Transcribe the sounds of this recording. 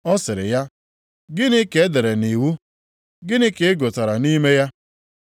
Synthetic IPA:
ɔ˦sɪ˨ɾɪ̰˨ja˦ | ɡɪ˦nɪ˦ke˨e˦de˨ɾe˨ni˨wu˦ | ɡɪ˦nɪ˦ke˨e˦ɡo˨ta˨ɾa˨ni˦me˦ja˦

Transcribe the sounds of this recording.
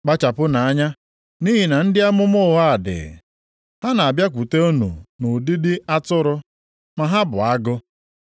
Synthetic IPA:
k͡pa˦t͡ʃa˨pʊ˦na˨a˦ɲa˦ | ni˦ɦi˨na˨n̩˦dɪ˦a˦mʊ˦mʊ˦ɦa˦a˨dɪ̰˨ | ha˦na˨a˨bja˦kʷu˨te˦o˦nṵ˨nʊ˨di˦dɪ˦a˦tʊ˦ɾʊ˦ | ma˨ɦa˦bʊ˨a˦ɡʊ˦

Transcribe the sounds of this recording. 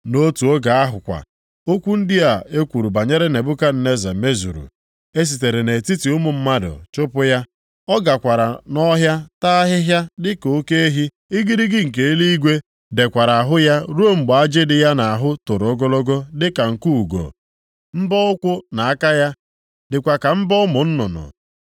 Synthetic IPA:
no˦tu˨o˦ɡa˨a˦ɦʊ˨kʷa̰˨ | o˦kʷu˦n̩˦dɪ˦a˨e˦kʷu˨ɾu˨ba˨ɲe˦ɾe˦ne˨bʊ˦ka˦n̩˨ne˦za˨me˦zṵ˨ɾṵ˨ | e˦s̬i˨te˨ɾe˨ne˨ti˦ti˨ʊ˦mʊ˨m̩˦ma˦dʊ̰˨t͡ʃʊ˦pʊ˦ja˦ | ɔ˦ɡa˨kʷa˨ɾa˨nɔ˦ɦja˦ta˦ɦɪ˦ɦja˦dɪ˦ko˦ke˦e˦ɦi˦ | ɪ˦ɡi˦ɾi˦ɡɪ˦ŋ̩˨k̬e˨˦e˦li˦i˦ɡʷe˦ | de˨kʷa˨ɾa˨a˨ɦʊ˦ja˦ɾo˦m̩˨ɡ͡ba˨a˦d͡ʒe˦dɪ˨ja˦na˨a˨ɦʊ˦to˨ɾo˦ɡɔ˦lɔ˦ɡɔ˦dɪ˦ka˨ŋ̩˨ku˦u˨ɡo̰˨ | m̩˦bɔ˦ʊ˦kʷʊ˦na˨a˦ka˦ja˦ | dɪ˨kʷa˨ka˨m̩˦bɔ˦ʊ˦mʊ˨n̩˦nʊ̰˨nʊ̰˨

